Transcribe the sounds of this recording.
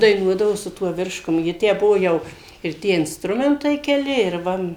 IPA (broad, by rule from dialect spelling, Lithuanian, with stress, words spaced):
dɐɪˈnuɔdɐʋoː sʊ ˈtuɔ ˈʋʲɪrʃkʊm jɪ ˈtʲæː ˈbʊʋoː ˈjɛʊ ɪr ˈtʲiɛ ɪnsˈtrʊmʲɛntɐɪ kʲɛˈlʲɪ ɪr ˈʋɐ